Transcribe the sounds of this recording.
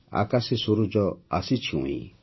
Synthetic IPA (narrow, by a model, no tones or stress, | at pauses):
a̰kasisuɾud͡ʒɔasit͡ʃʰũḭ̃